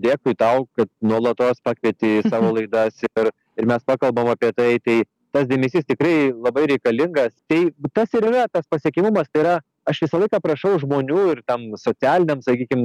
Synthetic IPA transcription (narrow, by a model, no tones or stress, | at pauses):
d̪ʲeːkʊɪt̪ɐʊkɐt̪̚nuɔlˠɐt̪oːspɑːkʋʲiɛt̪ʲɪsɑːʋoːlˠɐɪd̪ɐsɪr | ɪɾmʲɛspɑːkɐlˠbɐmɐɑːpʲiɛt̪ɐɪt̪ɐɪ | t̪ɐsd̪ʲɛmʲɛsʲiːst̪ʲɪkɾɐɪlˠɐbɐɪɾʲɛɪkɐlʲɪŋɡɐst̪ɐɪt̪ɐsɪɾiɾɐt̪ɐspɐsʲiɛkʲɪmʊmɐst̪ɐɪɾɐ | ɐʃʋʲɪsɐlˠɐɪkɐːpɾɐʃɐʊʒmoːnʲuːɪrt̪ɐmsoːt͡s̪ʲæːlʲɪnʲɛmsɐkʲiːkʲɪm